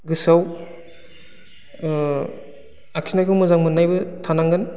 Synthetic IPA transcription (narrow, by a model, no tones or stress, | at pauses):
ɡɯsaw | akʰinajkʰɯwmɯzaŋmɯnːajbɯtʰanaŋɡɯn